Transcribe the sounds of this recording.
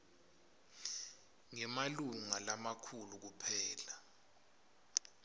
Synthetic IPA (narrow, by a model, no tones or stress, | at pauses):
ŋɛmaluŋalamakʰuluk̬upʰɛːla